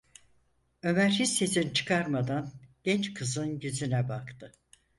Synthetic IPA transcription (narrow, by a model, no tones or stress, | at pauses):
ø̞mæɾhisesint͡ʃʰɯ̥kʰaɾmad̪anɟ̥ɛnt͡ʃkʰɯzɯnɟyzynɛbakt̪ʰɯ